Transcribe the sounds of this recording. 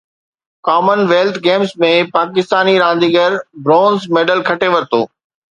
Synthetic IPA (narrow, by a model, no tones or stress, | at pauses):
kaːmənʋeːlt̪ʰɡeːmzmẽpaːkɪst̪aːniɾãːn̆d̪iːɡəɾbɾɔ̃ːnzmeːɖəlkʰɐʈeʋɐɾɪt̪o̰ː